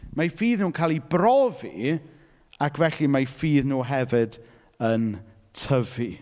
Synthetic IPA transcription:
majfiːðnuːnkʰaːlˠibrɔvḭ | akʰvɛɬimajfiːðnuːɦɛvɪd | ən | tʰəvi

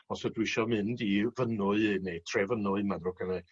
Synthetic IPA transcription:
ɔsɛdwɪʃɔmɪndivənʊɨnetʰrevənʊɨmanrʊkʰənɛ

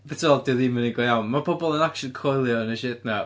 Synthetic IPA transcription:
pɛtʰiɔlˠdɪðiməniɡɔjawnmapʰɔbɔlˠənakʃənkʰojlˠjɔnəʃɪtna

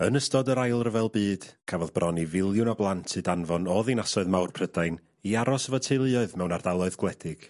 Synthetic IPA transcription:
ənəstɔdəɾajlˠrəvɛlˠbɨːd̥kʰavɔðbrɔnivɪlˠjʊnɔblˠantʰɨdanvɔnɔːðinasɔɨðmawrpʰrədajn | iaɾɔsəvɔtʰeɨlˠɨɔɨðmɛwnardalˠɔɨðɡwlˠɛdɪɡ̥

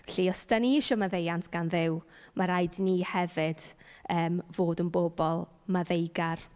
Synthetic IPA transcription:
ɬiɔsd̥aniʃɔmaðejantʰɡ̥anðɪw | maɾajdnihɛvɪd̥əːmvoːdənboːbɔlˠ | maðejɡar

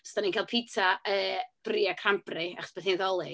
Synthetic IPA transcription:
staninkaːlpʰitʰaəːb̥riakʰramprɪa̰χɔsb̥ɛθiðɔlˠɨ

